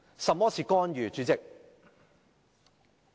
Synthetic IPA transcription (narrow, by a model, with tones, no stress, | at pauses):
sɐ˨mɔː˥sʰiː˨˩kɔː˥njyː˨t͡ʃyː˨˥t͡sɪ˨k̚